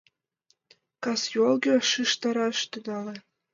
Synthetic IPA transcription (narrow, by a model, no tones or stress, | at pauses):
kɑsjolˠɡʲeʃɯʃt̪ɑɾɑʃt̪ɤ̆d̪ɑlĕ